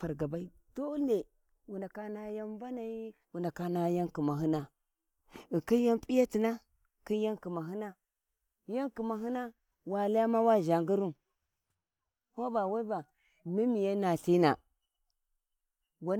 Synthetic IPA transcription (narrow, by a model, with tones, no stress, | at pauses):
a˨ɾɡa˨ba˦i˦ | d̥o˦le˨ | wu˨nda˨ka˦na˦ja˦nva˦na˨i˦ | wu˨nda˨ka˦na˦ja˦nki˨ma˨ɦi˦na˦ | i˨ki˦n˦ja˦mpʼi˦ja˦ti˨na˦ | ki˦n˦ja˦nki˨ma˨ɦi˦na˦ | ja˦nki˨ma˨ɦi˦na˦ | wa˨la˦ja˦ma˦wa˦˨ʒa˨ŋɡu˦ɾu˦m | ho˦ba˨wa˦ba˨ | mi˦mi˨ja˦na˨ɬi˦na̰˨ | wa˦